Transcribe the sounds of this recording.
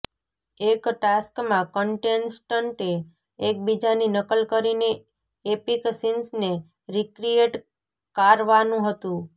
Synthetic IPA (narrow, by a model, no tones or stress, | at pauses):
ekʈaskmãkəɳʈensʈəɳʈeː | k̚bid͡ʒaninəkəlkəɾine | epiksinsne | ɾikɾieʈ | kaɾʋanũɦət̪ũ